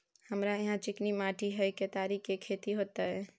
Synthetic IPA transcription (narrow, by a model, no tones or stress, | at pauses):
həmɾajɐɦãt͡ʃɪknimaːʈiɦɛket̪aːɾiːkkekʰeːt̪iɦoːt̪aɦɛː